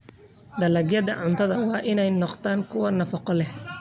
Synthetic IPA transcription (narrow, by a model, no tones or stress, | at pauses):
d̪ɐlɐɡjɐðɐʕʊnt̪ʰɐðɐwɑːʔɪnɛjnɔqt̪ʰaːŋkʰʊwɐnɐfɐqɔlɛh